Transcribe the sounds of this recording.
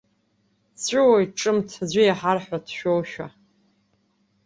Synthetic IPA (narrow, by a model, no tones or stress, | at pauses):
t͡sʰʷʼɪwajʈ͡ʂʼɨmtʰad͡ʑʷijaħarħʷᶣatʰʃᶣowʃᶣa